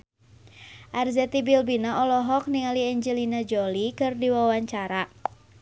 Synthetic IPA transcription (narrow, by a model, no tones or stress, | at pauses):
ʔarzɛt̪ibilbinaʔɔlɔɦɔk̚niŋaliɛɲd͡ʒɛlinad͡ʒɔlikɨrdiwawaɲt͡ʃaɾa